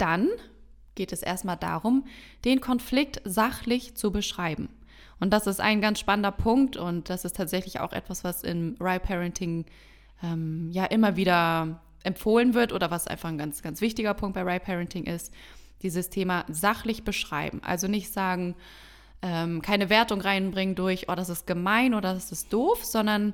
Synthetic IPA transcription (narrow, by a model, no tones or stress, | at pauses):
d̥an | ɡ̥eːtɛsʔḛːɐstmaːlda̰ːʁʊm | d̥eːnkʰɔnflɪk̚tzaχlɪçt͡subəʃʁ̥aɪbm̩ | ʔʊnt̚d̥asɪstʔa̰ɪnɡansʃpanəndɐpʰʊŋk̚tʰʊnt̚d̥asɪstʰaːtz̥ɛçlɪça̰ʊxʔɛ̰tv̥asv̥asɪ̰nʁaɪpʰɛʁɛntʰɪŋ | ʔɛːmjaːʔɪmɐviːdɐ | ʔɛmfoːlənvɪɐtʔoːdɾɐvasʔa̰ɪnfaχn̩ɡant͡sɡ̥ant͡sv̥ɪçtɪɡɐpʰʊŋkt̚b̥aɪʁaɪpʰɛʁɛntʰɪŋʔɪst | d̥iːzəstʰeːmazaχlɪçb̥əʃʁ̥a̰ɪbm̩ʔa̰lzonɪçtz̥aːɡŋ̩ | ʔɛːmkʰaɪnəveːɐtʊŋʁaɪnbʁɪŋəndʊɐçʔo̰ːdasɪst̚ɡ̥əmaɪnʔoːɾɐdasɪst̚d̥oːfz̥ɔndɐn